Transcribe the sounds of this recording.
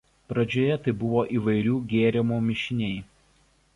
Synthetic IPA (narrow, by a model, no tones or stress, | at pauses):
pɾɐd͡ʒʲoːjɛt̪ɐɪbʊʋoːʔiːʋɐɪɾʲuːɡʲeːɾʲɪmuːmʲɪʃʲɪnʲeɪ